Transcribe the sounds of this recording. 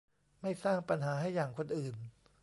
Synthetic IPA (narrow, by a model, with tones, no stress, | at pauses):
ma˥˩jsaː˥˩ŋpa˧nɦaː˩˦ɦa˥˩jːaː˨˩ŋkʰo˧nʔɯː˨˩n